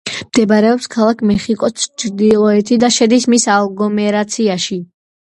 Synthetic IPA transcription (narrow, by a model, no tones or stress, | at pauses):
md̪̥ɛbaɾɛɔpskʰalˠakʰmɛχikʼɔt͡ʃʰd̪ilˠɔɛt̪ʰid̪aʃɛd̪ismisalˠɡɔmɛɾat̪sʰiaʃi